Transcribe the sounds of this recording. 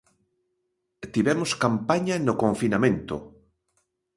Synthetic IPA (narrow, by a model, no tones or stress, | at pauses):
t̪iβɛmoskampaɲanokoɱfinamẽnt̪o̰